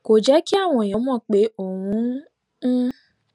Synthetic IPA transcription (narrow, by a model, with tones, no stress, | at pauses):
ko˨d͡ʒɛ˨˦ki˦a˦˨w̃ɔ̃˧˨jɔ̃˨˦mɔ̃˦˨k͡pe˨˦o˦˨wũ˨˦